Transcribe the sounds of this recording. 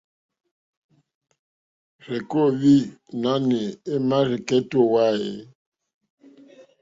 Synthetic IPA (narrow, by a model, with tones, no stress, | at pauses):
ɾɛ˨ko˦˨βi˦na˦ne˨e˦ma˦ɾi˨kɛ˦to˦wa˦e˨